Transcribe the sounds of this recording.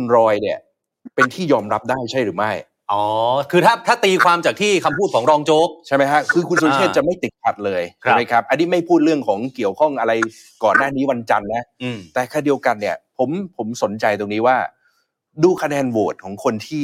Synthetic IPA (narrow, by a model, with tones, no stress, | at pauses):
u˧nɾɔː˧jni˨˥˩ə | pe˧nt̪ʰiː˥˩jɔː˧mɾa˦˥p̚daː˥˩jt͡ɕʰa˥˩jɾɯː˩˦ma˥˩j | ʔɔː˩˦kʰɯː˧t̪ʰaː˥˩t̪ʰaː˥˩t̪iː˧kʰwaː˧mt͡ɕaː˨˩k̚t̪ʰiː˥˩kʰa˧mpʰu˥˩kʰɔː˩˦ŋɾɔː˧ŋt͡ɕoː˦˥k̚t͡ɕʰa˥˩jma˥jkʰa˦˥kʰɯː˧kʰu˧nsu˧t͡ɕʰeː˥˩t͡ɕa˨˩ma˥˩jt̪i˨˩t̪̚kʰa˨˩t̪̚lɤː˧jt͡ɕʰma˦˥jkʰɾa˦˥p̚ʔa˧nːiː˦˥˩ma˥˩jpʰuː˥˩t̪̚ɾɯ˥˩əŋkʰɔː˩˦ŋki˨˩əwkʰɔ˥˩ŋʔa˧ɾa˧j | kɔː˨˩nːaː˥˩niː˦˥wa˧nt͡ɕa˧nːa˦˥˧t̪ɛː˨˩kʰaː˧˥˩di˧əwka˧nːi˥˩ɐpʰo˩˦mpʰo˩˦mso˩˦nt͡ɕa˧jt̪o˧ŋniː˦˥waː˥˩ | duː˧kʰa˧nɛː˧nwoː˨˩t̪̚kʰɔː˩˦ŋkʰo˧nt̪ʰiː˥˩